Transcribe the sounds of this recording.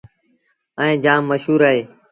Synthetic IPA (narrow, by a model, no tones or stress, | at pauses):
ə̃ĩːd͡ʒaːmːəʃɦuːɾaːɦeː